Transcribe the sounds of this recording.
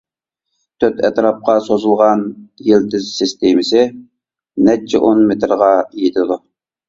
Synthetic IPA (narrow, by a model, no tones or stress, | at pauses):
t̪ʰøt̪ʰɛt̪ɾɑp̚qɑsozulˠʁɑnjɪlt̪ʰɪzsɪst̪emɪsɪ | nɛt͡ʃʰːɛ̰ʔonmet̪ɾʁɑjit̪ʰɨd̪u